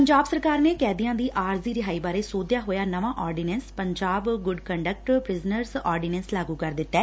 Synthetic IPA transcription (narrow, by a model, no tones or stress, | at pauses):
pəɲd͡ʒaːbsəɾkaːɾneːkɛːd̪ijãːd̪iːʔaːɾziːɾɪɦaːiːbaːɾeːsoːd̪jaːɦoːjaːnəʋãːʔɔːɾɖɪːnɛːnspəɲd͡ʒaːbɡʊɖkəɳɖək̚ʈpɾɪznəɾsɔːɾɖɪnɛːnslaːɡuːkəɾd̪ɪt̪ːɛː